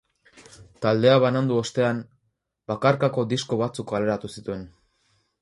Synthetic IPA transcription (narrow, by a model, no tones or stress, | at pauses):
t̪ald̪e̞aβanand̪uo̞st̪e̞an | bakaɾkako̞d̪isko̞βat͡sukale̞ɾat̪usit̪ue̞n